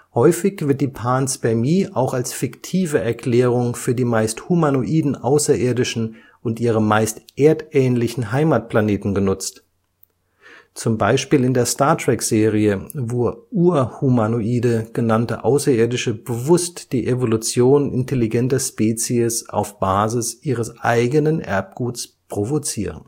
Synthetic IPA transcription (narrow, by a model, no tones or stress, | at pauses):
hɔʏfɪçv̥ɪɐt̚d̥iːpʰaːnsbɛɐmiːʔaʊxalsfɪktʰiːvəʔɛɐkl̥ɛːʁ̞ʊŋfyːɐdiːmaɪsthumanoʔiːdn̩ʔaʊsɐʔɪːɐdɪʃn̩ | ʔʊntʔiːʁ̞əmaɪstʔeːɐtʔɛːnlɪçn̩ɦaɪmaːt̚pl̥aneːtn̩ɡənʊt͡st | t͡sʊmbaɪʃpiːlɪndeːɐstaɐtʁ̥ɛkz̥eːʁiəvoːɐʔuːɐhumanoʔiːdəɡ̥ənantə̰ʔaʊsɐeːɐdɪʃəbəvʊstd̥iːʔevolut͡sjoːnɪ̰ntʰeliɡɛntɐʃpɛːt͡siəsa̰ʊfb̥aːzɪsʔiːʁ̞əsʔa̰ɪɡənənʔɛ̰ɐp̚ɡ̥uːtspʁ̥ovot͡siːʁən̩